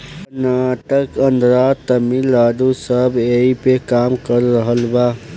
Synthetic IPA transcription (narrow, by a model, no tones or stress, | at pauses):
naʈəkə̃nd̪ʱɾat̪əmilad̪usəbeipekamkəɾːəɦəlba